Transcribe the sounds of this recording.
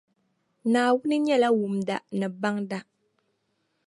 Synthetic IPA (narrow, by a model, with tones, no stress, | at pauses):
naː˨wʊ˦nɨ˦ɲɛ˦la˦wu˨mda̰˨nɨ˨ba˦ŋda˦